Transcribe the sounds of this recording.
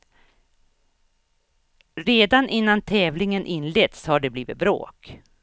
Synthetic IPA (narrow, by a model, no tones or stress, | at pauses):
ɾeːd̪anʔɪnːant̪ʰɛːvlɪŋənʔɪnːlet̪shaɖɛbliːvɪ̰t̪̚bɾo̰ːk